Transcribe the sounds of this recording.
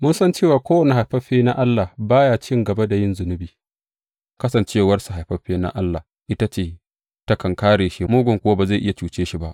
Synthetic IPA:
mʊ˦nsɐ˦nt͡ʃeː˦˨waː˨kʷoː˦wɐ˨ne˨ɦa˨jɸɐ˦ɸeː˦na˦ʔa˦lːa˨baː˦jaː˨t͡ʃɪ˦ŋɡɐ˨ba˦da˨jɪ˦nzʊ˨nʊ˦biː˨ | kɐ˦sɐ˨nt͡ʃeː˦˨wɐ˦rsu˨ɦa˨jɸɐ˦ɸeː˦na̰˦ʔa˦lːa˨h | ʔɪ˦ta˦t͡ʃeː˦˨ | ta˦kɐ˨ŋkaː˦ɽeː˨ʃi˦moː˦ɡʷʊ˨ŋkʷʊ˦waː˦baː˨za˦˨ʔɪ˦ja˨t͡ʃuː˦t͡ʃeː˦ʃi˨ba˦ʔ

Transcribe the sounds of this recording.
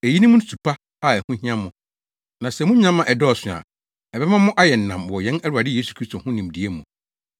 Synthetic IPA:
æ˨ji˦nĩ˦mʊ̃˦n̩˦su˨pʰa˦ | a˨ɛ˨hʊ̃˦ɦĩ˦ã˦mʊ̃˨ | nã˨sɛ˨mʊ̃˦ɲã˦mːã˨ʔɛ˨dɔ˦ɔ˨sʊ̃˨a̰˨ | ɛ˨bɛ˦mã˦mʊ̃˦ʔa˦jɛ˨n̩˨nã˨mwɔ˨jɛ̃˦nɛ˦ɾʊ˨a˨dɪ˦jeː˦su̥˨kʰɾi˦stʰo˨hʊ̃˦nĩ˨mdi˨e˦mũ˨

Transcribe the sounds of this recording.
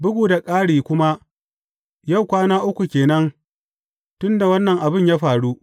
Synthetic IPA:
bʊ˦ɡʷuː˨da˨kʼaː˦ɽiː˨kʷʊ˦ma˦ | ja˦˨wkʷaː˦naː˦ʔʊ˦kʷu˨kʲeː˨nɐ˦ŋ | tʊ˦nda˨wɐ˦nːɐ˨ŋʔa˨bɪ˦˨ɲjaː˦ɸaː˨ɽu˦

